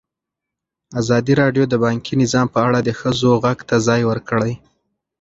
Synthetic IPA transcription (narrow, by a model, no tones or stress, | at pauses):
azɑd̪iɾɑɖjod̪əbɑŋkʰinɪzɑmpəaɽad̪əxəzoɣaɡt̪azɑjwəɾkəɽaj